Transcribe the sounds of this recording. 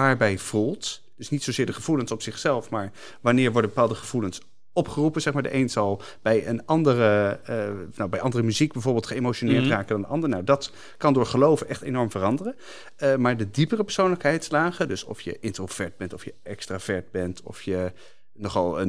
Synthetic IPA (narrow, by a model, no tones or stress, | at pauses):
aːɹbɛjvulˠt | d̥ɵsnitsozɪːɹdəχəv̥ulənsɔpsɪχsɛlˠfmaːɹ | ʋɑnɪːɹʋɔɹdəbəpaːlˠdəχəv̥uləns | ɔpχərupənzɛχmaːɹdə̰ʔejnzɑlˠ | b̥ɛjənɑndərə | nawbɛjʔɑndərəmyziɡ̚bɛjvoːɹbɪːlˠtχəemoʃonɪːɹtraːkədɑndəʔɑndəɹnawdɑt | kɑndʊːɹχəlowvəʔɛχtejnɔɹmvərɑndərə | əmaːɹdədipərəpɛɹsownləkɦɛjtslaːχədøsɔ̰fjə̰ʔɪntrov̥ɛɹd̚bɛntɔfjəʔɛkstrav̥ɛɹd̚bɛntʰɔ̰fjə | nɔχɑ̰lˠə